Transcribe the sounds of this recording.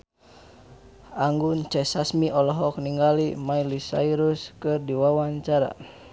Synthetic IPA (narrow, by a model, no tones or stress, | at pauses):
ʔaŋɡunt͡ʃɛsasmiʔɔlɔɦɔk̚niŋɡalimailisa̰iɾuskɨrdiwawaɲt͡ʃaɾa̰